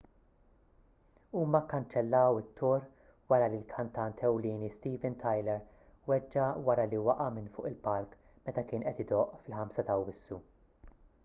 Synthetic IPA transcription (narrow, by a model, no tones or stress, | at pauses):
uːmɐkːɐnt͡ʃɛlːɐwɪt̪ʰːɔɾ | wɐɾɐlilkʰɐnt̪ɐnt̪ʰɛwliːnist̪iːvɛnt̪ʰɐjlɛɾ | wɛd͡ʒːɐwɐɾɐliwɐʔɐmɪnfʊ̰ːʔɪlpɐlk | mɛt̪ɐkɪːnʔɛt̪ɪd̪ɔʔfɪlħɐmsɐt̪ɐwːɪsːu